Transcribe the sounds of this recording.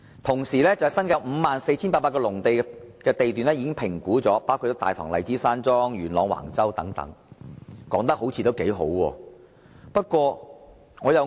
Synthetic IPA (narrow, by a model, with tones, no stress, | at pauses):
t̪ʰʊ˨˩ŋsiː˨˩lɛː˥t͡sɐ˨wsɐ˥nkaː˧wm̩ː˨˧maː˨nse˧jt͡sʰiː˥npaː˧paː˧tkɔ˧lʊ˨˩ŋt̪e˨˧jkɛː˧t̪e˨jt̪yː˨nɛ˥ji˨˧kɪ˥ŋpʰɪ˨˩ŋkuː˨˥t͡sɔː˨˥paː˥wkʰu˧t̪ːo˥t̪aː˨jt̪ʰɔː˨˩ŋlɐ̰˨˧jt͡siː˨˥saː˥nt͡sɔː˥ŋjyː˨˩nlɔː˨˧ŋwa̰ː˨˩ŋt͡sɐ˥wt̪ɐ˨˥ŋt̪ɐ̰˨˥ŋ | kɔː˨˥ŋt̪ɐ˥k̚ho˨˥wt͡sʰiː˧t̪o˥wke˨˥jɦo˨˥wwɔː˧ | pɐ˥t̚kʷɔː˧ | ŋɔː˨˧jɐ˨˧w